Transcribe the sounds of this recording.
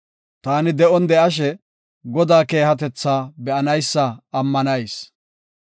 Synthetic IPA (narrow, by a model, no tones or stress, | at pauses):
t̪aːnɪd̪ɛʔɔnd̪ɛʔɐʃ̬ɛ | ɡɔd̪aːke̞ːhɐt̪ɛt͡sːaːbɛʔɐnɐjsːɐːmːɐnɐjs